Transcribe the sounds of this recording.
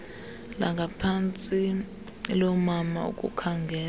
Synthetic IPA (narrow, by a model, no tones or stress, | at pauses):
la̰ŋɡʱapʰant͡sʼi | lɔmama̰ṵkʼṵkʰaŋɡʱɛː